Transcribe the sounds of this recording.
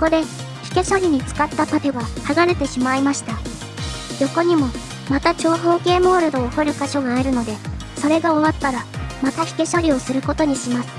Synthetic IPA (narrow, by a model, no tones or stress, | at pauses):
soko̞d̪e̞ | çʲi̥ke̞ɕo̞ɾʲiɲ̟it͡sɨ̥kat̪ːap̪at̪e̞βahaɡaɾe̞t̪e̞ɕimaimaɕi̥t̪a | jo̞ko̞ɲ̟imo̞ | mat̪at͡ɕo̞ːɦo̞ːke̞ːmo̞ːɾɯ̟d̪o̞ːhoɾɯ̟kaɕo̞ɡaːeɾɯ̟no̞d̪e̞ | so̞ɾe̞ɡao̞βat̪ːaɾamat̪açʲi̥ke̞ɕoɾʲio̞sɨɾɯ̟ko̞t̪o̞ɲ̟iɕimasɨ̥